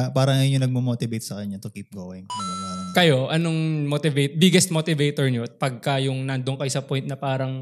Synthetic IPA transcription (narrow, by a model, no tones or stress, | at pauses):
paːɾɐŋɐɪɲoŋnɐɡ̚mɐmoːt̪ɪbejt̪̚sɐkɐɲːat̪okiːp̚ɡoːɪŋkɐjo̞ʔɐnoŋmot̪ɪvejt̪bɪɡɛst̪̚moːt̪ɪvɛjt̪oɹɲopɐɡ̚kɐjʊŋnɐnd̪oŋkɐjosɐpojnt̪nɐpaːɾɐŋ